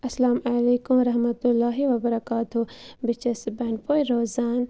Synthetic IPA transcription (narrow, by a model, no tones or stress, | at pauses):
ɐsɐlaːmɐleːkumɾɐɦmɐt̪ʊlːaːɦiʋɐbɐɾɐkaːt̪ʊbɪt͡ʃɐsbɛːnpʰoːjɾoːzaːn